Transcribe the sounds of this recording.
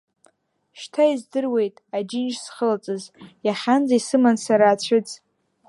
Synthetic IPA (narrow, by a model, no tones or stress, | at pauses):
ʃtʰaizdɨrwe̞jtʼad͡ʒɪnt͡ʃsχəlat͡sʼɨzjaχʲand͡zaisɨmansaɾaːt͡ɕʷʰɨt͡sʼ